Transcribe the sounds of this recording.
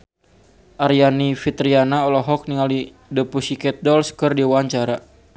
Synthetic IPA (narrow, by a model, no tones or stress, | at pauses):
ʔarjanifit̪ɾianaɔlɔɦɔk̚niŋali | dəpusikɛt̪̚dɔlskərdiwaɲt͡ʃaɾa